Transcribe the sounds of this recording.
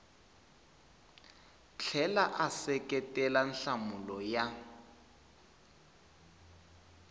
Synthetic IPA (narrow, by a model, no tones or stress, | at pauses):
t͡ɬʰɛlaʔasɛkʼɛtʼɛlan̩ɬamulɔja